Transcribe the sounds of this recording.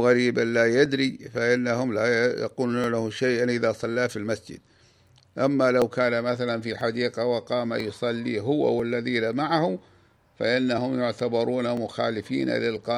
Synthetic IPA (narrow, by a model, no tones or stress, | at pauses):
ɣaɾiːbanlaːjad̪ɾifaʔɪnːaɦʊmlajɑ̰quːlɪnʊlahʊmʃajʔanʔɪðasˤɑlːaːfilmasd͡ʒɪ̰d̪̥̚ | ʔamːalawkaːnamaθalanfiħad̪iːqawɑqɑːma̰jʊsˤɑlːiːɦʊwa̰walːaðiːlamaʕahʊ | faʔɪnːahʊmjʊʕt̪abɑɾˤuːnamʊxa̰ːlɪfḭːna̰lɪlqɑ